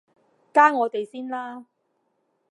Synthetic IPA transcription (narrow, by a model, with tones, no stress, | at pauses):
kaː˥ŋɔː˨˧t̪e˨jsiː˥nlaː˥